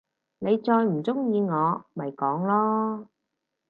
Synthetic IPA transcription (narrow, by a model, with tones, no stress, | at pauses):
ne˨˧jt͡sɔː˧jm̩˨˩t͡sʊ˥ŋjiː˧ŋɔː˨˧mɐ˨jkɔː˨˥ŋlɔː˥